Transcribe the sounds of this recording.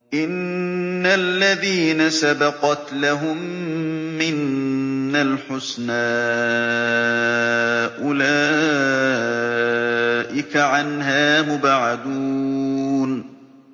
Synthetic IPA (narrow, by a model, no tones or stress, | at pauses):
ʔɪnː | alːaðiːnasabɑqɑt̪laɦʊmː | ɪnː | alħʊsnaː | ʔʊlaː | ʔɪkaʕanɦaːmʊbaʕad̪uː | n